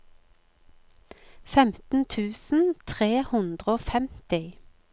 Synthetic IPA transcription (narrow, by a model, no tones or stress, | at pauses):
fɛmt̪n̩t̪ʰʉːsn̩t̪ʰʁeːhʉnd̪ʁəoːfɛmt̪ɪ